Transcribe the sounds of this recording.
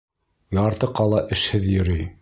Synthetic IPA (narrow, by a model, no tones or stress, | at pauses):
jɑɾt̪ɤqɑlˠɑʔɘ̆ʃhɘðjɵ̆ɾɵj